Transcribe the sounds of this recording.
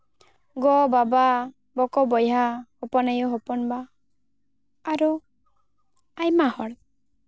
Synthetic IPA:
ɡɔbaba | bɔkɔbɔjɦahɔpɔnajɔɦɔpɔnba | ɾu | ajmahɔɽ

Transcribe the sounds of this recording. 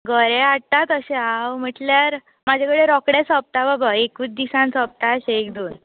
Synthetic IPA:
ɡəɾeaɽ̚t̪at̪əɕɛ̃awm̤əʈljaɾ | mad͡ʑʱakəɽeɾɔkɽesɔp̚t̪ababaekuːt͡sd̪isãnsɔp̚t̪aɕekd̪uːn

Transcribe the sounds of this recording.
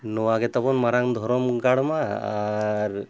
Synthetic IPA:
nɔwaɡɛt̪abɔnmaɾaŋd̪ʱɔɾɔmɡaɽmaː | ɾ

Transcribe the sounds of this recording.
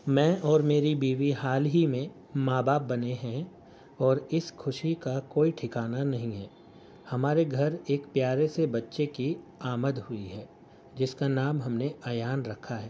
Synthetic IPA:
mɛ̃ːʔɔːɾmeːɾibiːʋiɦaːlɦimẽ | maːbaːp̚bɐneɦɛ̃ | ɔːɾɪsxʊʃikakoːiʈʰɪkaːnanɐɦĩɦɛː | hɐmaːɾeɡʱɐɾeːkpjaːɾesebɐtːʃekiaːməd̪ɦʊiɦɛː | d͡ʒɪskanaːmɦɐmneɐːjaːnɾɐkʰaɦɛː

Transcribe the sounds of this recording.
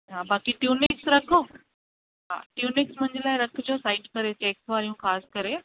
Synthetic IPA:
ɦaːbaːkiʈjuːnɪksɾɐkʰo | ɦa̰ːʈjuːnɪksmʊ̃ɦɪ̃ɲd͡ʑəlaːɪɾɐkʰd͡ʑoːsaːɪʈkɐɾet͡ɕeːksʋaːɾijũxaːskɐɾe

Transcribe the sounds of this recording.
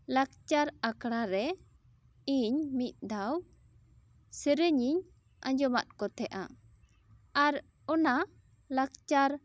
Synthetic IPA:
lak̚t͡ʃaɾakɽaɾɛ | iɲmit̪̚ˀd̪aw | səɾəɲiɲ | a̰ɲd͡ʒɔma̰t̪̚kɔt̪ɛʔa̰ | aɾ | ɔna | lak̚t͡ʃaɾ

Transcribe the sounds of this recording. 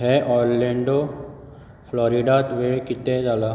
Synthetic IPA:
ɦɛʔɔjɾlẽɳɖo | fʰlɔɾiɖat̪ʋeɭkit̪ed͡zala

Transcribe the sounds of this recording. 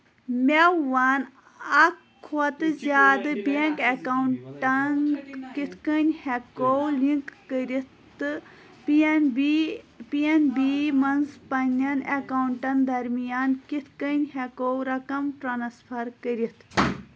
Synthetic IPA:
mʲewan | ɐkʰːɐt̪ɨzʲaːd̪ɨbeŋkɐkawuɳʈɐnkit̪ʰkənʲhekowliŋkːəɾit̪ | ɨ | pnb | pienbimɐnzpɐnʲɐnɐkawuɳʈɐnd̪ɐɾmijaːnkit̪ʰkənʲhekowɾɐkɐmʈɾaːnspʰɐɾkəɾit̪ʰ

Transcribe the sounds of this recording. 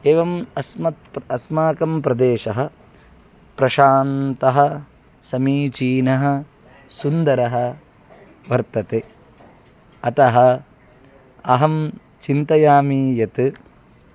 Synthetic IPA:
eːʋɐmɐsmɐt̪̚ɐsmaːkɐmpɾɐd̪eːʃɐɦɐ̆ | pɾɐʃaːnt̪ɐɦɐ̆ | sɐmiːt͡ʃiːnɐɦɐ̆ | sund̪ɐɾɐɦɐ̆ | ʋɐɾt̪ɐt̪e | ɐt̪ɐɦɐ | ɐɦɐm | t͡ʃint̪ɐjaːmiːjɐt̪ɨ

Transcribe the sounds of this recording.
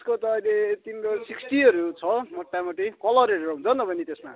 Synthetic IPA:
skot̪ʌːjlet̪inkosiksʈiʌɾut͡sʰʌmʌʈːamʌʈikʌlʌɾeʈɾʌɦũnt͡sʰʌnʌbʱʌnit̪esma̰

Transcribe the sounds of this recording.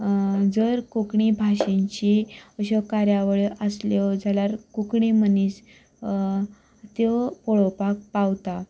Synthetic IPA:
d͡zəɾkukɳibʱaɕẽɲt͡ɕiəɕɔkaɾjaʋɭeʔəsljɔd͡zʱaljaɾkukɳiməniːs | t̪epɔɭɔpak̚pawt̪a

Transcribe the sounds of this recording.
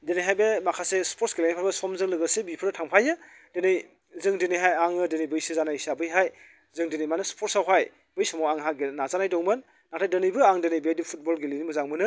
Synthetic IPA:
denɯjɦajbemakʰasespʰoɾtsɡelajnajpʰaɾbɐsɔmzɯŋlɯɡɯsebipʰɯɾtʰaŋpʰajɯ | d̥enɯj | zɯŋdenɯjɦajaŋɯdenɯjbɯjsɯzanaisabɯjɦaj | zɯŋdenɯjmanɯspʰotsawɦaj | bɯjsɔmɔwaŋɦaɡenazanajdɔŋmɯnː | aktʰajdɯnɯjbɯaŋdenɯjbedipʰut̚bɔlɡelijnimuzaŋmɯnɯ

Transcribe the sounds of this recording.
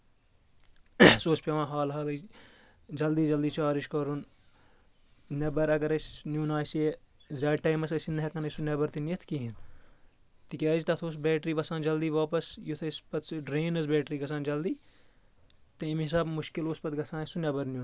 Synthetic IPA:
soːspʲeʋãːɦaːlɦaːlɐ | d͡ʒɐld̪iːd͡ʒɐld̪iːt͡ʃaːɾiʃkɐɾun | nʲɐbɐɾɐɡɐɾɐt͡ʃnjuːnaːsie | zɐːʈɐːjmɐsɐsinːɐɦɐkɐnɐsunʲɐbɐɾt̪injɐt̪ʰkiɦin | t̪ikʲaːd͡ʒit̪ɐt̪ʰoːs̬bɛːʈɾiːʋɐsãːnd͡ʒɐld̪iːʋaːpɐsjut̪ʰɐspɐt̪ʰsɖɾeːnɐsbɛːʈɾiːɡɐs̬ãːnd͡ʒɐld̪iː | t̪ɐimis̬aːbmʊʃkiloːspɐt̪ɡɐsãːnɐsunʲɐbɐɾnʲjun

